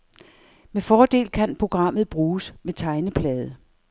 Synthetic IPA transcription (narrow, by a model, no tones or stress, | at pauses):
mefɒːd̥e̝̰ːlkʰænpʰʁo̝ɡ̥ʁɑ̈m̰ð̞̩ˠb̥ʁuːsmet͡sʰɑ̈ɪnəpʰlɛːð̞ˠə